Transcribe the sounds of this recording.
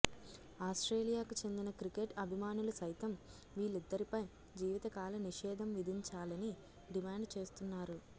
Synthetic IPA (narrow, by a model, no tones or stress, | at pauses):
aːsʈɾeːlijaːkut͡ʃe̞nd̪inɐkɾikeʈɐbʱimaːnulusɐjt̪ɐm | ʋiːɭːid̪ːɐɾipɐj | d͡ʒiːʋit̪ɐkaːlɐniʂɛːd̪ʱɐmʋid̪ʱiɲt͡ʃaːlɐni | ɖimaːɳɖt͡ʃe̞ːst̪unːaːɾu